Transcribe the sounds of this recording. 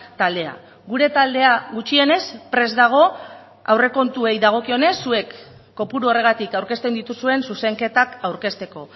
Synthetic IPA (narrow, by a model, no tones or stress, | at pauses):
t̪ald̪e̞a̰ | ɣuɾe̞t̪ald̪e̞aɣut͡ʃie̞ne̞spɾe̞zd̪aɣ̞o̞ | a̰wre̞ko̞nt̪ue̞jðaɣ̞o̞kio̞ne̞sːue̞kː | o̞puɾuo̞re̞ɣat̪ikawɾke̞st̪e̞nd̪it̪usue̞nsuse̞ŋke̞t̪akawɾke̞st̪e̞ko̞